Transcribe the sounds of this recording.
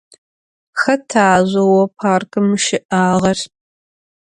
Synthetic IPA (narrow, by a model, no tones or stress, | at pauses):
xɐtʰaːʑʷɐwɐpʰaːrkʼɨmʃɪʔaːʁɐr